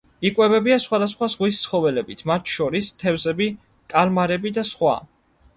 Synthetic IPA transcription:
ikʼwɛbɛbiasχwad̪asχwazʁwist̪sʰχɔvɛlɛbit̪ʰmat̪ʰʃɔɾist̪ʰɛvzɛbi | kʼalmaɾɛbid̪asχwa̰

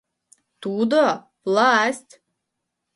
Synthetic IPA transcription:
t̪uːd̪a | plˠaːæst̪ʲ

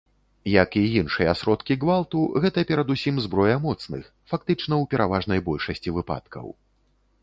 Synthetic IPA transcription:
jɐkijinʂɨjɐasɾɔt̪kʲiɣvalˠt̪uɣɛt̪ɐpʲɛɾɐd̪usʲimzbɾɔjɐmɔt̪snɨ̰x | fak̚t̪ɨt͡ʂnɐwpʲɛɾavaʐn̪ɐjbɔlʲʂɐsʲt͡sʲivɨpa̰t̪kʰɐ̰w

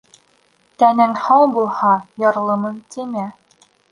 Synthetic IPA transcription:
t̪ænɘŋhɑwbulˠhɑjɑɾlˠɤ̆mɤnt̪imæ

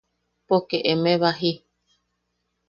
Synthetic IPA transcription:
pokeʔemẽβaɦi

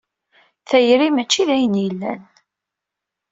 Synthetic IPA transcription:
θæjɾimæt͡ʃːiðæjənjəlːæ̰n

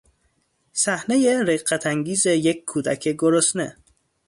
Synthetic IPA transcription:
sæhnejeɾeɢæt̪ʰæŋɟiːzejeckʰːuːd̪æ̰kʰeɡoɾosnḛ

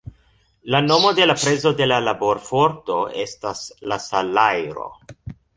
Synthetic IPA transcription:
lano̞mo̞de̞lapɾe̞zo̞de̞lalabo̞ɾfo̞ɾto̞e̞staslasalajɾo̞̰

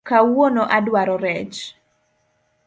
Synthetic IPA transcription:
kawonɔʔadwaɾɔɾɛt͡ʃ

